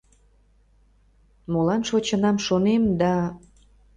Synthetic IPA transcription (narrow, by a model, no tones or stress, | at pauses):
molɑnʃot͡ɕənɑmʃonemd̪ɑ